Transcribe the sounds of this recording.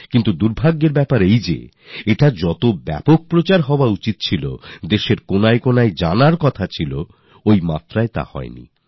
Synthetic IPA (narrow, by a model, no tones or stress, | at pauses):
kint̪ud̪uɾbʱaɡːeɾbɛpaɾejd͡ʑḛ | eʈad͡ʑɔt̪obɛ̰pok̚pɾot͡ɕaɾɦɔoaut͡ɕit̪̚t͡ɕʰilo̰d̪eʃeɾkonaekonaed͡ʑanaɾkɔt̪ʰat͡ɕʰilo | ojmat̪ɾaet̪a̰hɔ̰enḭ